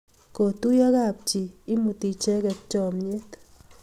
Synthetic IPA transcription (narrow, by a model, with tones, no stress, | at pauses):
ko˨t̪u˦ja˦ka˦˨p̚t͡ʃi˨i˦mu˧t̪i˧t͡ʃɛ˦ke˧t̪̚t͡ʃɔ˨mɲe˦t̪